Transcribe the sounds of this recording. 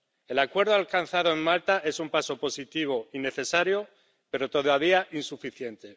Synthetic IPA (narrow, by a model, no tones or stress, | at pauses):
e̞lakwe̞ɾð̞oalkan̟θað̞o̞eŋmalt̪aʔe̞sumpaso̞po̞sit̪iβ̞o̞ine̞θe̞saɾjo̞ | pe̞ɾo̞t̪o̞ðaβ̞iaʔinsufiθje̞nt̪e̞